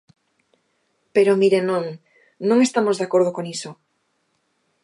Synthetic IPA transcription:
peɾomiɾenõŋ | nõŋest̪amozðakoɾð̞okoŋiso

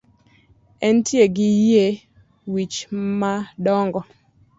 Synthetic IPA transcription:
ɛntʰjeɡɪje | wit͡ʃmadɔŋɡɔ

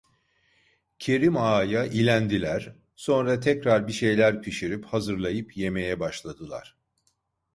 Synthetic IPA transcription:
cʰe̞ɾimaːjaʔilʲænd̪ilʲæɾ̥ | so̞nɾat̪ʰɛcɾaɾbiʃe̞jlʲæɾpʰiʃiɾiphazɯɾlˠajɯpje̞me̞jɛbaʃlˠad̪ɯlˠa̰ɾ̥

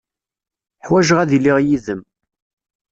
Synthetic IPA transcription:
ħwæʒʁæðilːiʁjiðəm

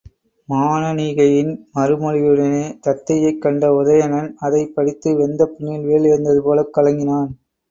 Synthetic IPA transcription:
maːnɐniːɣɐjɪnmɐɾɯmɔɻɪjɯɽɐneːt̪ɐt̪ːɐjɐɪkːɐɳɖɐʊðɐjɐnɐnɐðɐɪpːɐɽɪt̪ːɯʋɛnd̪ɐpːʊnːɪlʋeːɭɪɾɯnd̪ɐðɯpoːlɐkːɐlɐŋɡɪnaːn

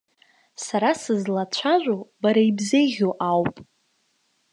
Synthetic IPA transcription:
saɾasɨzlat͡ɕʷʰaʒʷobaɾaibzeɣʲoʔawpʼ

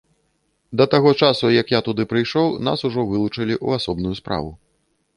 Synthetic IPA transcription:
d̪ɐt̪aɣɔt͡ʂasujɐkjat̪ud̪ɨpɾɨjʂɔwna̰suʐɔvɨlˠut͡ʂɐlʲiʔṵasɔbnujuspɾa̰vu

